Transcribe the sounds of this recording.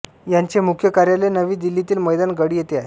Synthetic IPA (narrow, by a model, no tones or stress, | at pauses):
jaɲt͡ɕemukʰjəkaɾjalenəʋiːd̪ilːit̪iːlməjd̪anɡəɽiːjet̪eaɦe